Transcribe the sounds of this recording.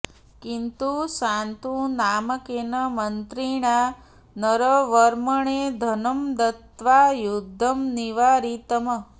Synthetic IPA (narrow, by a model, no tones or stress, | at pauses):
kint̪usant̪unaːməkenəmənt̪ɾiɳ̃a | nəɾəʋəɾməɳ̃ed̪ʱənəmd̪ət̪ʋajud̪ʱːəmniʋaɾit̪əmə